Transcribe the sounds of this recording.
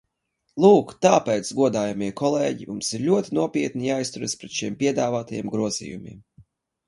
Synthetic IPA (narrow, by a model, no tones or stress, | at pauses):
lˠuːkt̪aːpɛt̪sɡuɔd̪aːjamiɛkɔlˠeːɟimumsiɾlʲuɔt̪ʲinuɔpʲiɛt̪̚nijaːjst̪uɾaspɾɛt̪ʃiɛmpʲiɛd̪aːvaːt̪ajɛ̰mɡɾuɔz̥ḭːjumʲḭɛm